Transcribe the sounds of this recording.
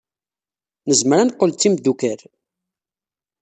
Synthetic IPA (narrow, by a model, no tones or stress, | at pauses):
nəzməɾænqːəlt͡sːimd̪ukæɾ